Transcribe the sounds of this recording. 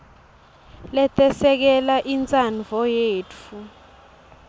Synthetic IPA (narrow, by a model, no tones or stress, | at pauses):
lɛtʰʼɛsɛk̬ɛlaʔint͡sʼanvɔjeːtʰu